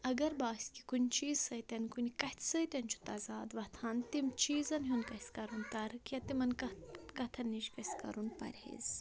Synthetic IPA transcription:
ɐɡɐɾbaːsʲki̥kunʲt͡ʃiːzsɐjt̪ʲɐnkunʲikɐt̪ʲʰsɐjt̪ʲɐnʲt͡ʃʰu̥t̪ɐzaːd̪ʋɐt̪ʰɐnt̪imt͡ʃiːzɐnɦunkɐsʲkɐɾunt̪ɐɾkɐt̪imɐnkɐkɐt̪ʰɐniʃkɐsʲkɐ̰ɾunpɐ̰ɾʲhḭz

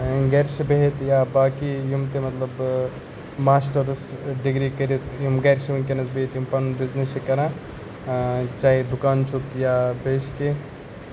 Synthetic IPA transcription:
ɡɐɾʃbeɦit̪jabaːkijumt̪emɐt̪lɐb | maːsʈɐɾsɖiɡɾikɐɾit̪jumɡɐɾʃiʋɐnkenɐsbeːt̪jumpɐnbiznesikɐɾãː | t͡ʃaːɦid̪ukaːnt͡ʃʰukjaːbeːʃke

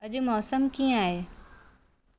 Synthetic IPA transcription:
ɐʄʊ̆mɔːsəmkiːə̃aːɦeː

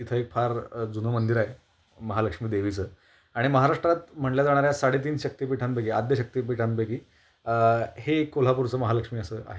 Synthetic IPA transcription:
it̪ʰəekfʰaɾd͡zunəmənd̪iɾaɦe | məɦaləkʂmiːd̪eʋit͡səː | aɽ̃iməɦaɾaʂʈɾat̪m̤əɳljad͡zaɽ̃aɾjasaɽ̤et̪̬iːnɕək̚t̪iːpiʈʰanbəɡiːad̪ʱjəɕək̚t̪iːpiʈʰanbəkiː | hekːol̤apuɾt͡səːməɦaləkʂmiːəsəːʔa̰ɦe

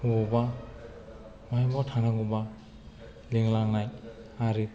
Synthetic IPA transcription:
ubɔba | majmɔtʰanaŋuba | liŋlaŋnaj | aɾɯ

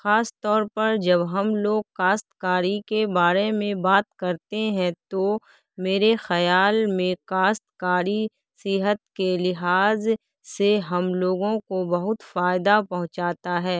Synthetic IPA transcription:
xaːst̪ɔːɾpɐɾd͡ʒɐbɦɐmloːɡ̚kaːst̪kaːɾikebaːɾemẽbaːt̪kɐɾt̪eɦɛ̃t̪o | meːɾexɐjaːlmẽkaːst̪kaːɾi | sɪɦət̪kelɪɦaːz | seɦɐmloːɡõkobɐɦʊt̪faːɪd̪apɐɦʊ̃t͡ʃaːt̪aɦɛː

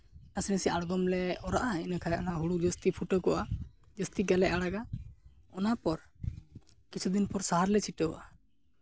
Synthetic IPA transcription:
nasinəsiʔaɽɡɔmlɛɔɾaʔainakʰajɔnaɦuɽud͡ʒɔst̪ipʰuʈɔkɔʔa | d͡ʒɔst̪iɡɛlɛʔaɽaɡa | ɔnapɔɾ | kit͡ʃʰud̪inpɔɾsaɦaɾlɛt͡ʃʰiʈəwʔa

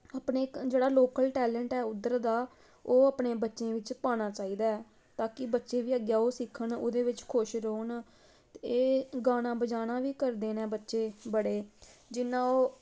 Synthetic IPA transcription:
aːpɳeːd͡ʒeːɽaːloːkəlʈɛːlɛɳʈɛːʊd̪ːəɾd̪aː | oːəpɳeːbətːʃẽːʋɪt͡ʃpaːɽ̃aːt͡ʃaːiːd̪aːɛː | t̪aːkɪbətːʃeːʋiːəɡjaːoːsɪkʰəɳo̰ːd̪eːʋɪt͡ʃkʰʊʃɾoːn | t̪ːeːɡaːɽ̃ãːbəd͡ʒaːnaːʋiːkəɾd̪eːnɛ̃ːbətːʃeːbəɽeːd͡ʒɪnːãːoː

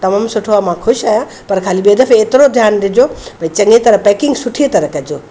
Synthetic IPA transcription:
t̪ɐmaːmsʊʈʰoaːmãkʰʊʃaːjã | pɐɾkʰaːliɓeːd̪əfeːt̪ɪɾod̪ʱjaːnd̪ɪd͡ʑopɐ̃ĩt͡ɕɐ̃ŋɡet̪ɐɾəpɛːkɪ̃ŋɡsʊʈʰiet̪ɐɾəkɐd͡ʑoː

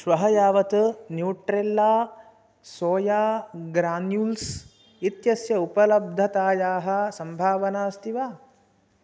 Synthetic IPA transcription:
ʃʋɐɦɐjaːʋɐt̪njuːʈɾelːaː | soːjaːɡɾaːnjuːls | it̪jɐsjɐupɐlɐb̚d̪ʱɐt̪aːjaːɦɐ̆sɐmbʱaːʋɐnaːst̪iʋaː

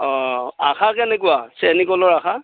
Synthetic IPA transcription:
ɔ̃axʰakɛnɛkʊwasɛnikɔlɔɹaxa

